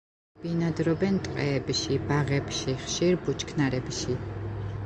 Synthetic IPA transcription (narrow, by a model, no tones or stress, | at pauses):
b̥inad̪ɾɔbɛnt̪ʼqʼɛːbʃibaʁɛbʃiχʃiɾbut͡ʃʰkʰnaɾɛbʃi